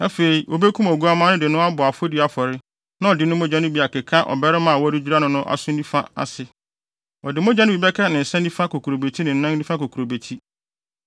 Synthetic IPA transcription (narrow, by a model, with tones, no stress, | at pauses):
a˦fe˨i˨wʔo˨be˦kʰũ˦mɔ˨ɡu˦a˦mã˦nʊ̃˦dɪ˨nʊ̃˦a˦bʊ˨a˨fo˦di˨a˨fɔ˨ɾɪ˦ | nã˦ɔ˨dɪ˨˦nʊ̃˦mõ˦d͡ʒã˦nʊ̃˦bi˨a˨kɪ˨kʰã˦ʔɔ̰˨bɛ˦ɾɪ˦mã˨a˨wɔ˦dɪ˦d͡ʑᶣu˦ɾa˦nʊ̃˨nʊ̃˦ʔa̰˨sʊ̃˦nĩ˦fã˦a̰˨sɪ˨ | ɔ˨dɪ˨mõ˦d͡ʑã˦nɪ̃˦bi˨bɛ˦kʰɛ˦nɪ̃˨n̩˨sɛ̃˦nĩ˦fã˦ko˨kʰu˨ɾo˨be˨tʰi˦nɪ̃˨n̩˨nã˦ĩ˦fã˦ko˨kʰɾo˨be˨tʰi˦